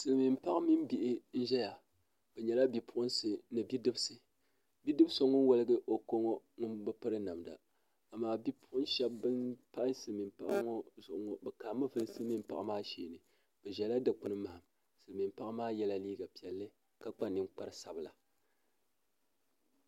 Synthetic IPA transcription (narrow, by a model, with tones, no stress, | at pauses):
sɨ˨lɨ˨mi˨mpa˦ʔa˦mi˦m˦bi˨ʔɪ˦n̩˦ʒɛ˦ja˨ | b̥ɛ˨ɲɛ˨la˦bi˨pʰʊ˦ʔʊ˦nsɨ˦nɨ˨bi˦dɨ˦bsɨ˨ | bi˦dɨ˦bɨ˦so˦ŋɔ˦n˦wɔ˦lɨ˦ɡɨ˦ʔo˨ko˦ŋo˦ | ŋʊ˦nbɨ˦pɨ˦ɾɨ˦na˨mda̰˨ | a˨maː˦bi˦pʊ̥˦ʔʊ˦nʃɛ˦bːɨ˦npa˦ʔɪ˦sɨ˨lɨ˨mi˨mpa˦ʔa˦ŋo˦zʊ˨ʔʊ˨ŋo˦bɛ˨kaː˨mɨ˦vɨ˦lɨ˦sɨ˦lɨ˦mi˦m˦pa˦ʔa˦maː˦ʃeː˨nɨ˨ | b̥ɛ˨ʒɛ˨la˦dɨ˨k͡pʊ˦nɨ˦ma˨ha˨m | sɨ˨lɨ˨mi˨mpa˦ʔa˦maː˦jɛ˦la˦liː˦ɡa˨pi˨ɛ˨lːɨ˦ | ka˦k͡pa˦nɨ˦ŋ͡mk͡pa˦ɾɨ˦sa˨bɨ˨la˨